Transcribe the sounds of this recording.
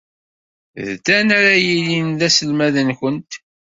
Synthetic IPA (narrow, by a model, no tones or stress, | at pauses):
ðd̪ænaɾajilinðæsəlmæðənçənt̪